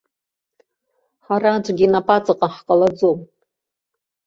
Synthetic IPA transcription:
ħaɾad͡ʒʷʼɡʲinapʰʼat͡sʼɨqʼaħqʼalad͡zom

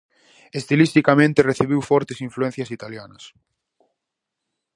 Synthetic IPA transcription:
est̪ilist̪ikamẽnt̪ɪreθiβiwfɔɾt̪esĩɱfluẽn̟θjɐsit̪aljanɐs

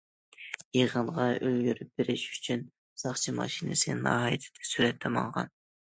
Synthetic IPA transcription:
jeʁəɴʁɑølɡʲyɾyp̚b̥eɾɪʃy̥t͡ʃʰyn | sɑχt͡ʃʰimɑ̰ʃinɨ̰sɨnɑ̰ːɦɑjɨt̪ʰɪ̥d̪̥ʰɛ̥syɾɛt̪ʰːɛmɑ̰ŋʁɑ̰n

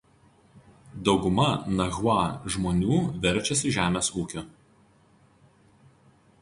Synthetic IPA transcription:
d̪ɒʊɡʊmɐnɐɣwɑːʒmoːnʲuːʋʲɛɾʲt͡ʃʲɛsʲɪʒʲæːmʲeːsuːkʲo

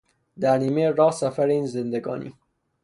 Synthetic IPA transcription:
d̪æɾniːmejɾɒːsæfæɾeiːnzend̪eɡɒ̰ːnḭː

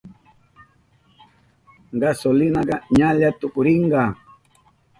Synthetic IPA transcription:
ɡasolɪnaɢɑɲaʎat̪ʊkʊɾɪɴɢɑ

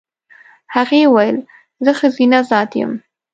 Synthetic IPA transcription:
haɣewajəl | zəxəzinazɑt̪jə̰m

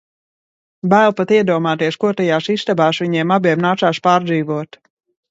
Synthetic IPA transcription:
bæːlˠpat̪iɛd̪uɔmaːt̪iɛʃkuɔt̪ɛjaːʃist̪abaːʃviɲiɛmabiɛmnaːt̪saːʃpaːɾd̪ziːʋuɔt̪

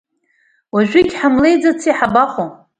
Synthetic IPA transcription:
waʒʷᶣiɡʲħamlejd͡zat͡sʰiħabaχo

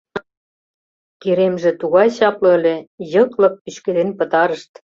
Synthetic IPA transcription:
keɾemʒĕt̪uɣɑjɕɑplɤ̆əlʲĕjɤ̆klɤ̆k̚pyɕked̪enpə̆t̪ɑɾəʃt̪

